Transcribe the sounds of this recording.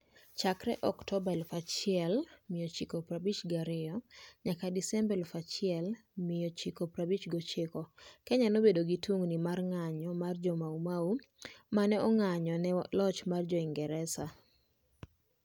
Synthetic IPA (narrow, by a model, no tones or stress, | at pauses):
t͡ʃakɾɛʔɔktɔbalfat͡ʃɪɛlmɪjɔt͡ʃikɔpɾabit͡ʃɡaɾɪɔɲakadisɛmbɛlfat͡ʃɪɛlmɪjɔt͡ʃɪkopɾabit͡ʃɡɔt͡ʃɪkɔkɛɲanobedoɡituŋnimarŋaɲɔmard͡ʒɔmaumau | manɛɔŋaɲɔnɛlɔt͡ʃmard͡ʒɔɪŋɡɛɾɛsa